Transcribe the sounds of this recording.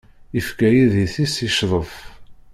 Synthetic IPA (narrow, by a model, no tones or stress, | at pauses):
ifkæjiðiθisiʃðˤəθ